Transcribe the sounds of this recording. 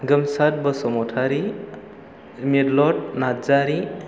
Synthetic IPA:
ɡɯmsat̚bəsɔmɔtʰaɾi | miɾlɔʈ̚nad͡ʒaɾi

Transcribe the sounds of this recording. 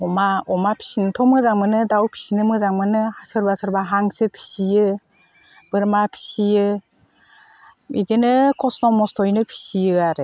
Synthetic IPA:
ɔmaɔmapʰi̥sinɯtʰɔmɯzaŋmɯnɯdawpʰi̥sinɯmɯzaŋmɯnɯhasɯɾbasɯɾbaɦaŋsɯpʰi̥sijɯ | b̥ɯɾmapʰi̥sijɯ | ḭɡɯnɯkʰɔsnɔmɔstʰɔjnɯpʰi̥sijɯaɾɯ

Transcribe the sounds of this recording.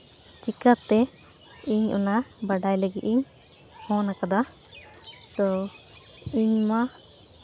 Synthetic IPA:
t͡ʃikət̪ːɛ | iɲʔṵnabaɖajləɡiʔiɲ | hɔ̃nakad̪a | t̪ɔ | iɲma

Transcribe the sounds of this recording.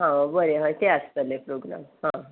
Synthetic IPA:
ɦãbəɾeɦãjt̪eəst̪əlepɾoɡɾa̰mɦã

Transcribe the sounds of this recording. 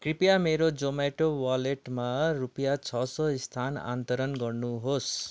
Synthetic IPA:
kripjameɾod͡zomajʈowaleʈmarupjat͡sʰʌsʌist̪ʰana̰nt̪oɾʌnɡʌrnuɦos

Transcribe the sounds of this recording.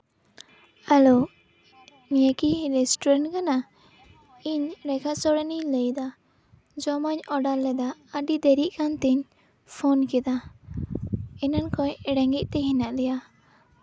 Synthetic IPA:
alo | nijakiɾɛsʈɔɾaɳʈkana | iɲɾɛkaʔsɔɽɛniləjd̪a | d͡ʒɔmaɲɔɖalːɛd̪aəɖid̪ɛɾiʔkant̪ɛɲ | pʰonkɛd̪a | ɛnankɔjɛɽɛŋɡiʔ̚t̪ɛɦinaʔlɛja

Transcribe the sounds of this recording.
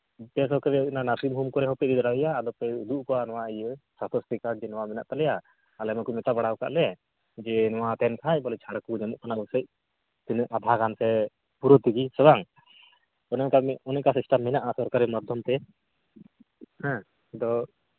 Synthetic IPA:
pɛs̬ɔɾkaɾiinanasimɦumkɔɾɛɦɔpɛʔ̚d̪id̪ɽajaːd̪ɔpɛud̪uʔkɔwanɔwaijəsat̪ɔst̪ikad͡ʒɛnɔwamɛna̰ʔt̪alɛjaː | lɛmɔkumɛt̪abaɽawka̰ʔlɛ | d͡ʒɛnɔwat̪ɛnsʰac̚ˀbɔlɛt͡ʃʰaɽakud͡ʒɛmuʔkʰanabɔsəc̚ | t̪inʔad̪ʱaɡansɛ | puɾɔt̪ikisɛbaŋ | ɔnɛkamɔnɛkasisʈamːɛnaʔasɔɾkaɾimɔd̪ʱːɔmt̪ɛ | hɛ̃ | d̪ɔ

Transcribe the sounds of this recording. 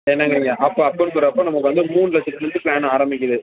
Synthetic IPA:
ɛnːɐŋɡɐɾɪŋɡɐʔɐpːõːɐpːonsɔɾɐɐpːõːnɐmːɐkːɯʋɐnd̪ɯmuːnlɐt͡ʃːɪʈːɯnɯnd̪ɯpɭaːñaːɾɐmbɪkʲːɐðɯ

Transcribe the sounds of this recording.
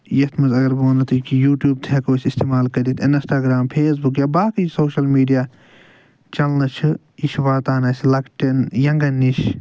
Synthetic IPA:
jɐt̪ʰmɐzɐɡɐɾboːnɐt̪ʰɨkijuːʈjuːb̚t̪ʰeːkoːsʲist̪eːmaːlkɐɾit̪ʰɪnsʈaːɡɾaːmpʰeːs̬bukjaːbaːksoːʃɐlmiːɖijaː | t͡ʃɐlnɐt͡ʃʰɨ | iʃʋaːt̪aːnɐsʲlɐkʈɐnjɐŋɡɐnːiʃ

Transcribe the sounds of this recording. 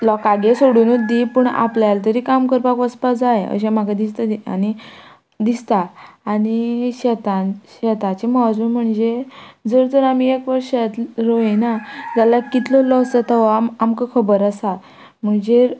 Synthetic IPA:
lɔkaɡesoɽunut̪̚d̪ipəɳa̰pljalt̪̬əɾiːkamkəɾpakʋəspad͡zajeə̰ɕẽm̤aɡad̪ist̪ad̪ia̰ñi | d̪ist̪aːɽ̃iɕɛt̪aɕɛt̪at͡ɕemad͡zunm̤əɳd͡zed͡zəɾd͡zəɾamiekʋəɾʂat̪ɾoenad͡zalakit̪lolɔsət̪əʋamamkəkʰəbəɾəsa | m̤əɳd͡ʑe

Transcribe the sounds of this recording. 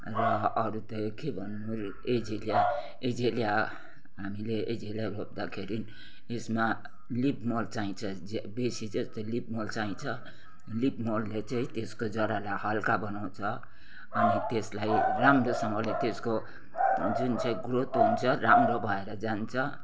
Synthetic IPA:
rʌʌɾut̪ʌkebʱʌnːu | ed͡zelija | ed͡zelija | ɦamileed͡zelaɾop̚d̪akʰeɾin | esma | lipmolt͡saĩt͡sʰʌ | besid͡zʌst̪ʌlib̚molt͡saĩt͡sʰʌ | lipmolːet͡sʌĩt̪eskod͡zʌɾalahʌlkabʌnaw̃t͡sʰʌ | ʌnit̪eslajramrosʌŋʌlet̪esko | d͡zunt͡sʌĩɡrot̪ɦunt͡sʰʌɾamɾobʱʌeɾʌd͡zant͡sʰʌ

